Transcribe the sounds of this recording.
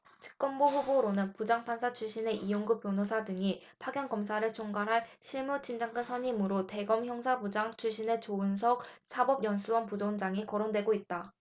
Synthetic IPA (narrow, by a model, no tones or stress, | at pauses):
t͡ɕɯ̥k̚k͈ʌnboɸuboɾonɯnpud͡ʑaŋpʰansʰat͡ɕʰuɭɕ͈ine̞ʔijoŋɡɯp͈jonosʰadɯŋipʰaɡjʌnɡʌmsʰaɾɯɭt͡ɕʰoŋɡaɾɦaɭɕʰiɭmut͡ɕʰind͡ʑaŋkʰɯnsʰʌɲimɯɾote̞ɡʌmçjʌŋsʰabud͡ʑaŋt͡ɕʰuɭɕ͈ʰine̞t͡ɕoɯns̬ʰʌk̚sʰabʌbjʌnsʰuwʌnpud͡ʑond͡ʑaŋikʌɾondwe̞ɡoit̚t͈a